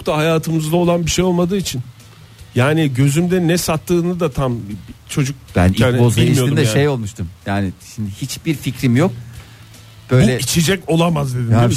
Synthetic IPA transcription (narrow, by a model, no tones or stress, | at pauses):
kt̪ʰaɦajaːt̪ʰɯmɯzd̪ao̞lˠanbiʃejo̞lˠmad̪ɯːit͡ʃʰin | jaːniɟø̞zymd̪ɛnɛsat̪ːɯːnɯd̪at̪ʰamt͡ʃʰo̞d͡ʒuk̚bæ̰nanobilʲijoiɾd̪ɛjaʃejo̞lˠmuʃt̪umjaːnɪʃimd̪ihit͡ʃb̥iɾficɾimjok̚ | b̥ø̞jbulʲɛit͡ʃʰed͡ʒɛco̞lˠamazd̪e̞d̪ia